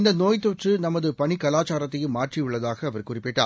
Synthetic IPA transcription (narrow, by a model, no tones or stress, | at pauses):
ɪnd̪ɐnoːjt̪ːɔʈrɯnɐmːɐðɯpɐɳɪkɐlaːt͡ʃaːɾɐt̪ːɐjɯmːaːʈrɪɯɭːɐðaːɣɐːʋɐɾkʊrɪpːɪʈːa̰ː